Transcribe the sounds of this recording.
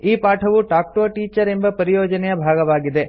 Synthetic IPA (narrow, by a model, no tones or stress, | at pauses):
iːpaːʈʰɐʋuʈaːk̚ʈoːʈiːt͡ʃɐɾe̞mbɐpɐɾijoːd͡ʒɐnɛjɐbʱaːɡɐʋaːɡid̪e̞